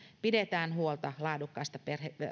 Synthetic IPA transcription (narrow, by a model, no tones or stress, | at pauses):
pidet̪æːnhuolt̪ɑlɑːdukːɑːst̪ɑperhe